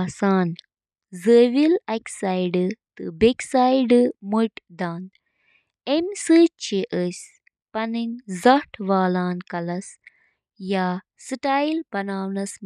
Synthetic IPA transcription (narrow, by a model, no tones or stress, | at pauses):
asaːn | zəːʋilɐksaːjɖɨt̪ɨbeksaːjɖɨmuʈd̪aːn | emsɨt͡ʃeʔəsʲ | pɐniŋzɐʈʰʋaːlaːnkɐlɐs | jaː | sɨʈaːjlbɐnaːwnɐs